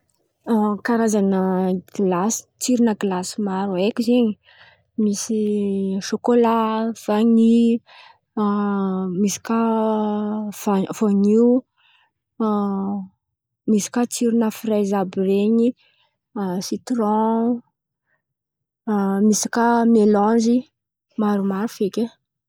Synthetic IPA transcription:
akaɾazanəɡilasi̥t͡siɾinəɡilasimaɾuekizeɲi | misiʃokolav̥aɲi | misi̥ka | vav̥oɲiu | misi̥kat͡siɾinəfirajzabireɲi | sit̪rɔ̃ | misi̥kamelɔ̃zi | maɾumaɾufekʲe

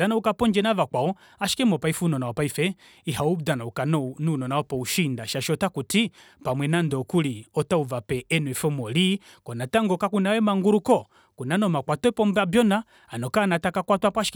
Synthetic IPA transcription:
danaukapɔɲd͡ʒɛnavakaɔ | aʃi̥kɛmɔpaifunɔnawɔpaifɛ | iɦaudanaukanɔnunɔnaɔpɔuʃindaʃaʃɔtakuti | pamwɛnandɔkuliɔtauvapɛɛnwɛfɔmɔli | kɔnataŋɡɔkakunawɛmaŋɡuɾukɔ | kunanɔmakwatɔipɔmbabjɔna | anɔkanatakakwatwapwaʃi̥k

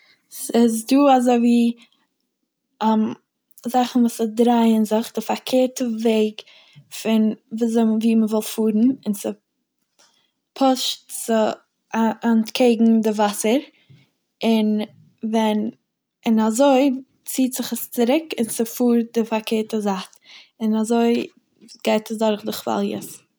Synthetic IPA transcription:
sɪs̬duːazoɪviː | am | zaχn̩vuːsədɾaɪənzɪχdɪfakʰeːɾtəveɪɡ | fɪnvzviːməvɔlˠfuːɾn̩ɪnsɪ | pʰɔʃtsɪ | aankʰeɪɡŋ̩dɪvasəɾ | ɪn | vɛn | ɪnazoɪ | t͡siːtz̥ɪχəst͡sɪɾɪkɪnsɪfuːɾ̚dɪfaɾkʰeːɾtəzat | ɪnazoɪ | ɡ̥aɪtʰəsdɔɾχdʊχva̰lˠjə̰s

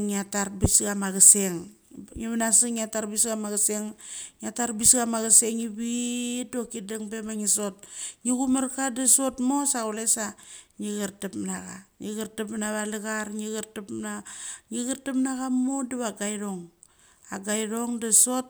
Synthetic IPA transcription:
ŋiataɾbisɡamaɣaseŋ | ŋiβanasiŋiataɾbisɡamaɣaseŋɲiataɾbisɡamaɣaseŋibidokidaŋbemaŋisot̚ŋiɡumaɾkadaso̞tmosaɣolesaŋiɣaɾtapnaɣaŋiɣaɾtapnaβalaɣaɾŋiɣaɾtapnaŋiɣaɾtapnaɣamoduβaɡajɾoŋ | aɡajɾoŋdasot̚

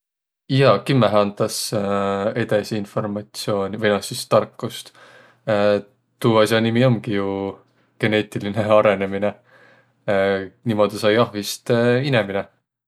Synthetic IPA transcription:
jɑkimːeɦɑnd̪̥ɑs | e̞d̪esiinfo̞rmɑt̪sio̞ːnʲivenɑsist̪ɑrkːust̪ː | t̪uːɑsɑnimiomɡiju | ɡ̥e̞ne̞ːt̪ʲːˑiline̞ɑɾe̞nemine̞ | nimo̞d̪̥isɑjɑhvist̪inemine

